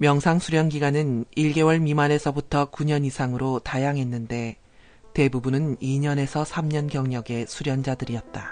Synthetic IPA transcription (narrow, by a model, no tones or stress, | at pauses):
mjʌŋsʰaŋsʰuɾjʌnɡiɡwanɯniɭɡe̞wʌɭmimane̞sʰʌbutʰʌkuɲʌnisʰaŋɯɾotajaŋɦe̞nːɯnde̞ | te̞bubunɯniɲʌne̞sʰʌsʰamɲʌnɡjʌŋɲʌɡe̞sʰuɾjʌnd͡ʑadɯɾiʌt̚t͈a